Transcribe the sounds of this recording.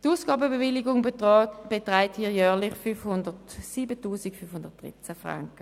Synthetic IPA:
tuːsɡ̥ɑːbəbevɪliɡʊŋb̥etʁaɪthiːɐjœːɐlɪχfyfhʊndətsiːbətuːsikfynfhʊnd̥əɐt̚d̥ʁḭt͡sæfʁa̰ŋkə

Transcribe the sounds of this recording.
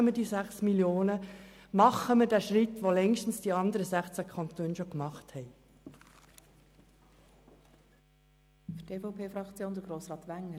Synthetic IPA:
əmədiːsæχsmiljoːnə | mɑχəmədæʃrɪt̪ʋolɛŋʃtn̩sd̥iɑnd̪əɾəzæχt͡sækʰɑnt̪øːnʃokmɑχthɛɪ | fytdeːfoʊpʰeːfɾɑkt͡sjoːnd̥̪əɡɾoːsɾɑːt̪ʋæŋə

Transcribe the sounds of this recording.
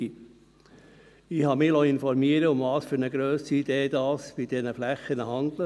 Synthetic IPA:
i | ɪhɑmɪlɔɪnfɔɾmiəɾəʊmvɑːsfyɾnəɡɾøːsiid̥̪eːd̥̪ɑːsb̥ɪd̥̪ɛnəflæχənəɦɑnd̪lə

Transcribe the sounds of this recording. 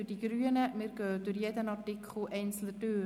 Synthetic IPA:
yɾd̥iɡ̥ɾyːənəmɪːɾɡ̥œːd̥ʉɾjedənɑrtikχl̩ʔɛɪnt͡sl̩ədøː

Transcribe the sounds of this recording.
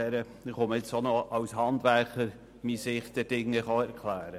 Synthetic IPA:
ɾə | ɪχoməɪt͡sonɔʔɑwshɑndʋæɾχəɾ | misɪχt̪əd̥ɪŋːəχɑɛɾkʰlæːɾə

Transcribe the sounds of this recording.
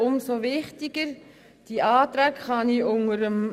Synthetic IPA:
ʊmsoʋɪχtiɡəɾ | d̥iʔɑːt̪ɾæːkχɑniʔʊŋəɾəm

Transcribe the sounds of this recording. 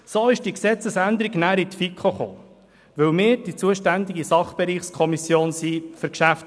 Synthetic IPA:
soːɪʃd̥iəksɛt͡səsænd̪əɾiɡnæːɾit̪fikʰχoχo̰ː | ʋɵwmɪːɾd̥it͡suəʃtænd̪ɪɡisɑχb̥ɛɾiːχskʰɔmisjoːnsifɵɾkʃæft

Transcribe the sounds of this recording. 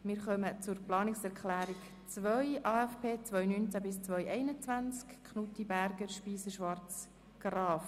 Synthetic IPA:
mɪːɾχœmət͡sʊɾplɑːnɪksɛɾkχlæːɾik | t͡sʋœjʔɑːɛfpʰeːt͡svœjnyːnt͡sæbɪst͡sʋœʏʔɛɪnət͡sʋænt͡skkʰχnut̪ibæɾɡəʃpiːsəʃʋɑrt͡s | ɡ̥rɑːf

